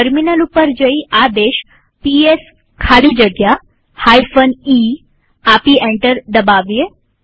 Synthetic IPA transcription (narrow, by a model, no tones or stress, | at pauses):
ʈəɾminəlʊpəɾd͡ʒəiʔaːd̪eːʃ | pies | kʰaːɽid͡ʒəɡja | haːifʰəniː | aːpiẽːɳʈəɾd̪əbaːʋie